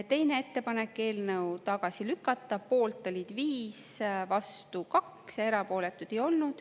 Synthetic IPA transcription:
t̪e̞jne̞et̪ːe̞pɑne̞kːˑe̞ːlnɤwt̪ɑɡ̥ɑsilykːˑɑt̪ːˑɑpo̞ːlt̪ːˑolʲid̪̥viːsvɑst̪ukɑkse̞ɾɑpo̞ːle̞t̪ːˑud̪̥e̞jo̞lnud̪̥

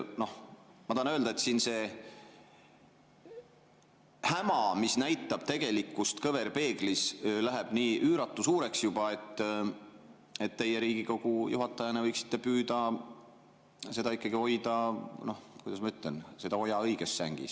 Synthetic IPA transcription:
nohmɑt̪ɑhɑnøld̪ɑet̪siːnse̞ː | hæmɑmisnæjt̪ːˑɑb̥̚t̪e̞ɡ̥e̞likːˑust̪kɤve̞rpe̞ːɡ̥lislæɦeb̥niːʔyːɾɑt̪ˑːusuːɾe̞ksjub̥ɑe̞t̪ːˑ | e̞t̪ːe̞jeɾiːɡ̥iko̞ɡ̥ujuɦɑt̪ːˑɑjɑnevɤjksi̥t̪ːe̞pyːd̪̥ɑ | se̞d̪̥ɑikːˑɑɡio̞jd̪ɑno̞hkujd̪ɑsmɑyt̪ˑlɛnse̞d̪ɑo̞jɑɤjɡ̥esːæ̰ŋɡ̥ḭs

